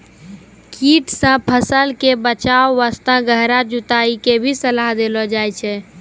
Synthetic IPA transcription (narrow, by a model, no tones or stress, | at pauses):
kiʈsə̃pʰəsəlkebət͡ʃaoːast̪ãɡəɦɾad͡ʒut̪aikebʱisəlaɦd̪elɔd͡ʒajt͡ʃʰɛ